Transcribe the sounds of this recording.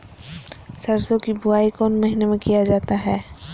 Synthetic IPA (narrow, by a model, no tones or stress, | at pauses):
sɐɾsõkibʊaːikɔːnmɐɦinemẽkijad͡ʒaːt̪aɦɛː